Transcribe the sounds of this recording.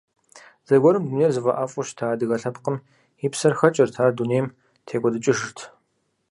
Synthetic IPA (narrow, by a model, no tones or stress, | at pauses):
zɐɡʷɔɾɨmduneːrzɨvɐʔaːfʼʊʃtʰaːdɨɣɐɬɐpqəm | iːpsɐrxɐt͡ʃʼɐrtʰaːrduneːjm | tʰeːɡʷʼɔdɨt͡ʃʼɪʂɨrtʰ